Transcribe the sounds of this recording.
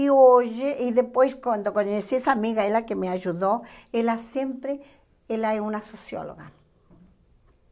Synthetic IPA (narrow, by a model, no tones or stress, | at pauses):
ioʒeʔiðepojskwand̪okwanoesiesaːmiɣaelakemeaʒuðoelasjempɾe | elaeunasosjo̰lo̰ɣa